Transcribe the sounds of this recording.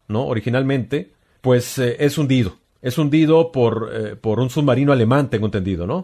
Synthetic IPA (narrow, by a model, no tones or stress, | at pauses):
no̞oɾixinalmẽ̞nt̪e̞ | pwe̞sʔe̞sund̪iðo̞ | e̞sund̪iðo̞po̞ɾepo̞ɾunsuðmaɾinoale̞mãnt̪ẽŋɡoent̪end̪iðo̞no̞